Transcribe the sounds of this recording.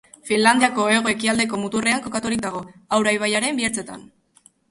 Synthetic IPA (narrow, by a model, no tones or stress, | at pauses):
finland̪iako̞e̞ɣ̞oe̞kiald̪e̞ko̞mut̪ure̞aŋko̞kat̪uɾik̚d̪aɣ̞o̞awɾajβ̞ajaɾe̞mbieɾt͡se̞t̪a̰n